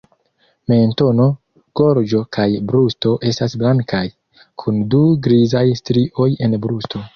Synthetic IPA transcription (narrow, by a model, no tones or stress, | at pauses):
me̞nto̞no̞ | ɡ̥o̞ɾd͡ʒo̞kʰajbɾusto̞ʔe̞stasblaŋkʰaj | kʰunduɡɾizajstɾiʔo̞je̞nbɾusto̞